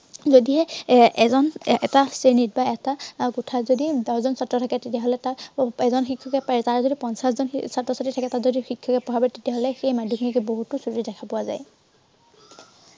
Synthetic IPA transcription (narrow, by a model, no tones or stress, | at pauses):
zodiɦɛɛzɔnɛtasenit̚baɛtaɡutʰazodidɔzɔnsatːɹɔtʰakɛtetijaɦɔlɛtaɛzɔnxikʰːɔkɛpaɛtaɹɛzodipɔnsaszɔnsatɹɔsatitʰakɛtazodixikʰːɔkɛpɔbʱabɛtetiaɦɔlɛxejmadʱɔkʰimikɛboɦutʊsutidɛkʰapʊwaza̰j